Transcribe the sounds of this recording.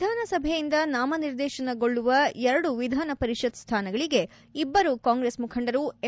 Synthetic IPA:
d̪ʱaːnɐsɐbʱɛjind̪ɐnaːmɐniɾd̪ɛːʃɐnɐɡo̞ɭːuʋɐɛɾɐɽuʋid̪ʱaːnɐpɐɾiʃɐd̪st̪ʰaːnɐɡɐɭiɡe̞ | ibːɐɾukaːŋɡɾesmukʰɐɳɖɐɾue

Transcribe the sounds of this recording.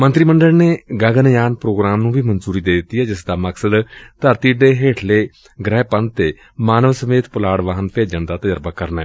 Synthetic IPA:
mə̃nt̪ɾiːməɳɖəlneːɡəɡənjaːnpɾoːɡɾaːmnũːbʱiːmənzuːɾiːd̪eːd̪ɪt̪ːiːɦɛːd͡ʒɪsd̪aːməksəd̪t̪əɾt̪iːɖeːɦeːʈʰleː | ɡɾɛːpə̃nt̪ːeː | maːnəʋsəmeːt̪pəlaːɽʋaɦənpʰeːd͡ʒənd̪aːt̪əd͡ʒəɾbaːkəɾnɛ̰ː

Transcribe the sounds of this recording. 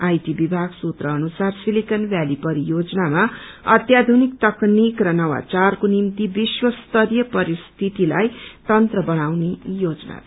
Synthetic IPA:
ajʈibibʱaɡsut̪rʌːnusarsilikʌnbjalipʌɾijod͡znamaʌ̰t̪jad̪ʱunik̚t̪ʌknikrʌnʌwa̰t͡sarkonimt̪ibiswʌst̪ʌɾjʌpʌɾist̪ʰit̪ilajt̪ʌnt̪rʌbʌnawnejod͡zʌna̰

